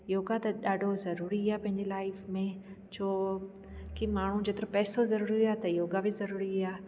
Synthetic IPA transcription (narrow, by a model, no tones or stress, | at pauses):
joːɡat̪ɐɗaːɖʱozɐɾuːɾiaːpɐ̃ɦɪ̃ɲd͡ʑelaːɪfmẽ | t͡ɕʰoː | kimaːɳ̤ũd͡ʑet̪ɪɾəpɛːsozɐɾuːɾiaːt̪ɐjoːɡabɪzɐɾuːɾiaː